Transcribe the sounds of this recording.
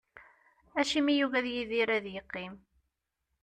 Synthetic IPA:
æʃimijuɣæðjiðiɾæðjəqːim

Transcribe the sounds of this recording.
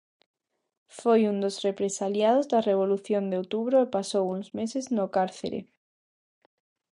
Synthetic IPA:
fojund̪osrepɾesaljað̞ozðareβ̞oluθjond̪eowt̪uβɾoepasowuŋzmeseznokaɾθḛɾḛ

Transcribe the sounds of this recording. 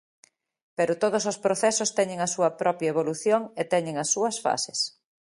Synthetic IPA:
peɾʊt̪oð̞osospɾoθɛsost̪ɛɲẽŋɐsuɐpɾɔpjɐeβoluθjoŋet̪ɛɲeŋɐsːuɐsfa̰sɪ̥s

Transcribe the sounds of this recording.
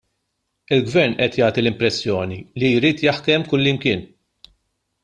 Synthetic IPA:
ɪlɡvɛɾnʔɛt̪jɐːt̪ilɪmpɾɛsːjɔːnilijɾiːt̪jɐħkɛmkʊlːɪmkɪːn

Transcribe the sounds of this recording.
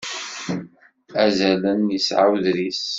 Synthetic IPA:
æzælənjəsʕa̰wðɾis

